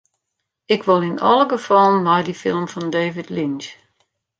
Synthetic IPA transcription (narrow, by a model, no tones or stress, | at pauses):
ɪkʋɔlˠɪnɔ̰lˠəɡəfɔlˠənmɔjdifɪ̰lˠmfɔndeːvɪdlint͡ʃ